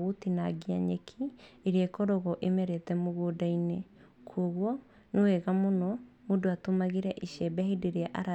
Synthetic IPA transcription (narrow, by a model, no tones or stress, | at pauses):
ɣotinaɡia̰ɲekʰiːɾeekɔɾɔɣɔʔemɛɾetɛmoɣoːdaine | kʰoɣwɔ | newɛɣamonɔmodoatomaɣeɾɛʔiʃɛbɛhideɾeaʔaɾa